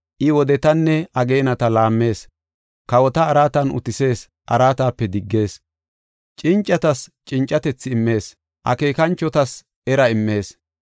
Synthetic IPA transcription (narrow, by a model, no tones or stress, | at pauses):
ʔɪwɔd̪ɛt̪ɐnːɛɐɡe̞ːnɐt̪ɐlaːmːe̞ːs | kɐwɔt̪ɐːɾaːt̪ɐnʊ̰t̪ɪse̞ːs | ʔɐ̰ɾaːt̪aːpːɛd̪ɪɡːe̞ːs | t͡ʃʼɪnt͡ʃʼːɐt̪ɐst͡ʃʼɪnt͡ʃʼːɐt̪ɛt͡sːɪːmːe̞ːs | ʔɐ̰ke̞ːkɐnt͡ʃːɔt̪ɐs | ɛɾɐɪmːe̞ːs